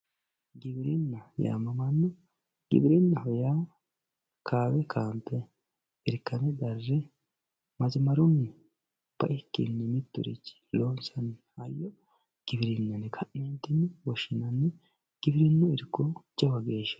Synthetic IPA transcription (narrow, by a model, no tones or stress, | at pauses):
ɡɪbɾɪnːɐja̰ːmɐmɐnːɔ | ɡ̥ɪ̰bɾɪnːɐhɔja | kʰaːwɛkʰaːnt̪ɛ | ɪɾkːɐnɛd̪ɐrːɛ | mɐzɪmɐɾʊnːɪ | b̥ɐ̰ʔɪkːɪ̰nːɪmɪt̪ːʊ̰ɾḭt͡ʃːi̥loːnsɐnɪhajːɔ | ɡ̥ɪbɾɪnːɐnɛkʰɐnːeːnt̪ɪnːɪwɔʃɪnɐnːɪ | ɡ̥ɪbɾɪnːɔɪɾkːɔt͡ʃːɐwɐɡeːʃɐ̥